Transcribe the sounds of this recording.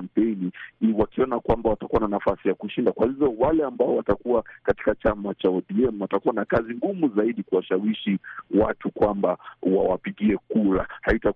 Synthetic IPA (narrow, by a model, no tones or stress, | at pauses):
m̩pɛniwakiɔnakwambawatakuwananafasijakuʃindakwahivɔwalɛambaɔwatakuwakati̥kat͡ʃamat͡ʃaɔɗiɛmwatakuwanakaziŋɡumuzaiɗikuwaʃawiʃiwatukwambawawapiɠiɛkuɾahaita